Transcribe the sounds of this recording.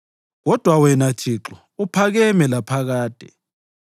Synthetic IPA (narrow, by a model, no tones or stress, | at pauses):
ɣɔd̥ʱwawɛnat͡ʃʰiːǁɔ | upʰaɣɛmɛlapʰaɣaːd̥ʱɛ